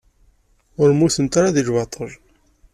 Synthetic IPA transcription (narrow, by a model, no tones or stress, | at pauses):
ʊɾmuθənt̪aɾaðiʒwɑt̪ˤʰəʒ